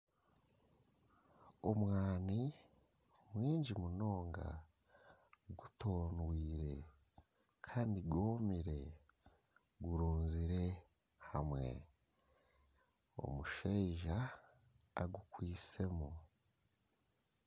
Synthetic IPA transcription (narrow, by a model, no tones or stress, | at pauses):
omwaːni | mwiːɲɟimuno̞ːŋɡa̰ | ɡuto̞ːnwiːɾe̞ | kʰaːndiɡoːmiɾe̞ | ɡuɾuːnziɾe̞ | hamwe̞̰ | o̞̰muʃeʒaː | ɡukwiːse̞mo